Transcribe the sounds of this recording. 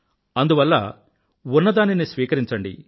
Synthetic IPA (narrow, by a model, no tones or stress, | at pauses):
ɐnd̪uʋɐlːɐ̰ | unːɐd̪aːninisʋiːkɐɾiɲt͡ʃɐɳɖḭ